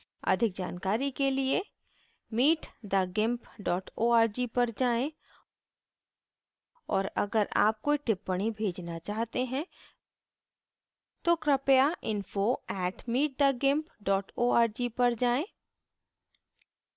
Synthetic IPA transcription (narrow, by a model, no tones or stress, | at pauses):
ɐ̰d̪ʱɪk̚d͡ʒa̰ːnkaːɾikelie | miːʈd̪aɡɪ̃mpɖɔːʈoːaːɾd͡ʒipɐɾd͡ʒaːẽ | ɔːɾɐ̰ɡəɾa̰ːp̚koiʈɪpːəɽ̃ibʱeːd͡ʒnat͡ʃaːɦt̪eɦɛ̃ | t̪okɾəpjaʔɪ̃nfoɛːʈmiːʈ̚d̪aɡɪ̃mpɖɔːʈoːaːɾd͡ʒipɐɾd͡ʒaːẽ